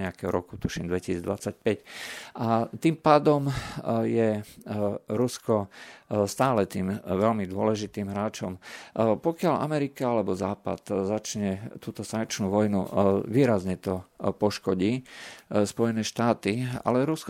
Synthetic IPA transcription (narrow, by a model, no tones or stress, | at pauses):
ɛakɛɦɔɾɔku̥t̪uʃimd̪ʋɛcisiːd̪ʋat͡sac̚pɛcʔat̪iːmpaːd̪ɔmjɛ | ɾuskɔst̪aːlɛt̪iːmʋɛlmid̪ʊɔlɛʒit̪iːmɦɾaːt͡ʃɔmpɔkɪaʎʔa̰mɛɾikaalɛbɔzaːpa̰t̪zat͡ʃɲɛt̪uːt̪ɔsaŋk̚t͡ʃnuːʋɔjnṵʋiːɾazɲɛt̪ɔpɔʃkɔɟiːspɔjɛnɛːʃt̪aːt̪ia̰lɛɾusk